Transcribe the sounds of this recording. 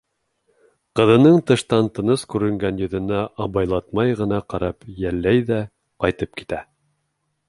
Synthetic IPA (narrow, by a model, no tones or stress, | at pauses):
qɤ̆ðɤ̆nɤɴt̪ɤ̆ʃt̪ɑnt̪ɤ̆nɤskʉɾɘ̆ŋɡænjɵ̆ðɘ̆næʔɑβɑjlˠɑt̪mɑjʁɤ̆nɑqɑɾɑpjælːæjðæ | qɑjt̪ɤp̚ki̥t̪æ